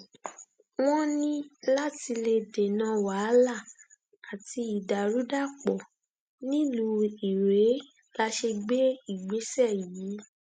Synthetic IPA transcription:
w̃ɔ̃˦nĩ˦la˦ti˧le˧de˨nã˦wa˨˦la˦˨ | a˨ti˧i˨da˨ɾu˨˦da˦˨k͡pɔ˨ | nĩ˦lu˧˦i˨ɾe˨˦ | la˧ʃe˧ɡ͡be˦i˦˨ɡ͡be˨˦sɛ˦˨ji˨˦

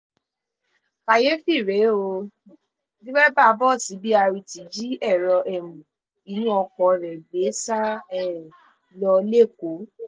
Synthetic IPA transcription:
ka˨je˦fi˦˨ɾe˨˦o˧ | di˦wɛ˦ba˦˨˧bɔ˦˨si˨˦bi˦a˧ɾi˧ti˨d͡ʒi˦ɛ˦˨ɾɔ˧ʔɛ˨mũ˨ | i˨˦ĩ˦ɔ˧kɔ˧˨ɾɛ˨ɡ͡be˨˦sa˦ɛ˦˨ | lɔ˧le˦˨ko˨˦

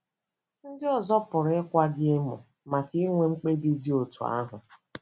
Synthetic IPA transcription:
n̩˦dɪ˦ɔ˨zɔ˦pʊ˨ɾe˦kʷa˦ɡɪ˦e˦mʊ̰˨ | ma˨ki˦ŋʷe˨˦ŋ͡m̩˦k͡pe˦di˦di˦o˨tu˨a̰˦ɦʊ˨

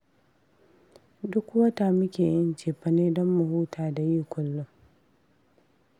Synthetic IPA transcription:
dʊ˦kwɐ˦ta˨mʊ˦kʲeː˨ʔɪ˦nt͡ʃeː˨ɸɐ˨neː˦dɔ˦mːʊ˨huː˦tʰaː˨da˨jiː˦kʷʊ˨lːʊ˦ŋ

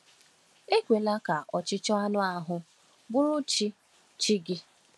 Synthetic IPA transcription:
e˦kʷe˨la˦ka˨ʔɔ˨t͡ʃɪ˦t͡ʃɔ˦a˦nʊ˦a˦ɦʊ˦ | bʊ˦ɾʊ˦t͡ʃi˦ | t͡ʃi˦ɡɪ˦

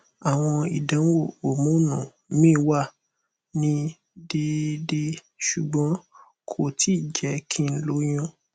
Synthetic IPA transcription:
a˨w̃ɔ̃˧i˨dã˨˦wo˦˨o˨mũ˨˦nũ˨˦mĩ˦˨˦wa˦˨ | nĩ˧ | de˧de˧ | ʃu˨ɡ͡bɔ̃˨˦ | kʰo˦˨tʰi˦˨d͡ʒɛ˨˦kʰĩ˦˧n̩˦lo˨˦j̃ɔ̃˦

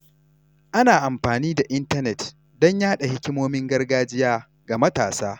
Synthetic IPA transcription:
ʔa˦naː˨ʔa˨mɸaː˨niː˦da˨ʔɪ˦ntɐ˦nɛ˨t | dɔ˦ɲjaː˦ɗa˨hɪ˦kʲɪ˦moː˦mɪ˦ŋɡɐ˦rɡaː˦d͡ʒɪ˦jaː˦ | ɡa˨mɐ˦taː˨saː˦

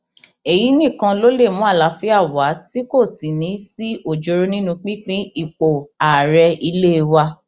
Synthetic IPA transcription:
e˨ji˨˦nĩ˦˨kã˧lo˦le˦˨mũ˦a˦˨la˨˦fi˦a˦˨wa˨˦ti˦ko˦˨si˨nĩ˨˦si˦o˦˨d͡ʒo˧ɾo˦nĩ˦nũ˧k͡pĩ˦k͡pĩ˦i˦˨k͡po˨a˨ɾɛ˧i˧le˦˧wa˧

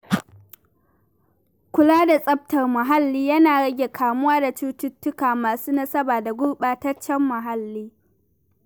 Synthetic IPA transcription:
kʷʊ˦laː˦da˨sʼɐ˦b̚tɐ˨rmɐ˨ɦa˦lːiː˦jɐ˦naː˨ɽɐ˦ɡʲe˨kʰaː˨mʊ˦waː˦da˨t͡ʃuː˦tʊ˦tːʊ˦kaː˨maː˨suː˦nɐ˦sɐ˦baː˨da˨ɡʷʊ˦rɓaː˨tɐ˦t͡ʃːɛ˦mːɐ˨ɦa˦lːiː˦

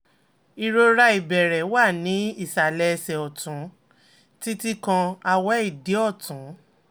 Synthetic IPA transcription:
i˧ɾo˧ɾa˧i˨bɛ˨ɾɛ˨˦wa˦˨nĩ˨˦i˦˨sa˨lɛ˧sɛ˨ɔ˨tũ˨˦ | ti˦ti˦kã˧a˧wɛ˦i˦˨di˨˦ɔ˦˨tũ˨˦

